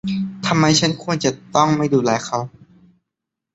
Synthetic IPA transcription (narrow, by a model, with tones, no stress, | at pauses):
t̪ʰa˧mːa˧jt͡ɕʰa˦˥nkʰu˧ənt͡ɕa˨˩t̪ɔ˥˩ŋma˥˩jduː˧˩lɛː˨˦jkʰa˦˥w